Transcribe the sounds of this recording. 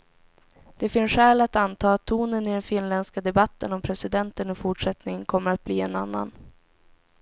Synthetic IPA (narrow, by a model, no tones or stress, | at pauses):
d̪̥ɛfɪnsɧɛːlat̪ant̪ʰɑːat̪ʰːuːnənɪd̪ɛnfɪnlɛnskad̪ɛbat̪ːənɔmpʰɾɛsɪd̪ɛnt̪ənɔfʊʈʂɛt̪nɪŋənkʰɔmːəɾat̪̚bliːɛnanːa̰n